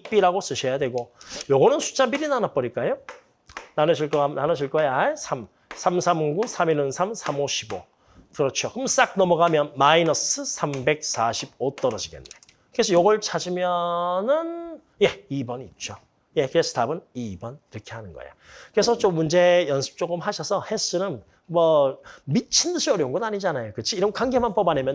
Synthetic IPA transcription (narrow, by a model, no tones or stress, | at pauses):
ip͈iɾaɡos͈ɯɕʰʌjadwe̞ɡojoɡʌnɯnsʰu̥t͡ɕ͈ʰambiɾinanap͈ʌɾik͈ajo | nanɯɕʰiɭk͈ʌananʌɕ̬ʰiɭk͈ʌjaaesʰam | sʰamsʰamɡusʰaminɯnsʰamsʰamoɕʰibo | tɯɾʌt͡ɕʰokɯms͈ak̚nʌmʌɡamjʌnmainʌsɯsʰambe̞k̚s͈aɕʰib̚ot͈ʌɾʌd͡ʑiɡḛnːe | kɯɾe̞sʰʌjoɡʌɭt͡ɕʰad͡ʑimjʌnɯn | je̞ibʌnit̚t͡ɕ͈o | je̞kɯɾe̞sʰʌ̥tabɯnibʌniɾʌkʰe̞hanɯnɡʌ̰ḛjakɯɾe̞sʰʌt͡ɕomːund͡ʑejʌnsʰɯ̥p̚t͡ɕ͈oɡɯmhaɕʰʌsʰʌhe̞s͈ɯnɯn | mʌmit͡ɕʰindɯɕʰiʌɾjʌunɡʌdaɲid͡ʑanajokɯt͡ɕʰiːɾʌnkaŋɡe̞manpʌbanemjʌn